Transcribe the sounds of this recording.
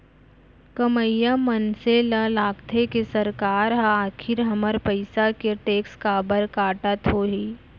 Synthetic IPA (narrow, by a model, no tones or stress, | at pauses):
kəməjamənselalaːkt̪ʰekesəɾkaːɾɦaaːkʰɪɾɦɐməɾpəɪsakeʈeːkskaːbəɾkaːʈət̪ɦoːɦiː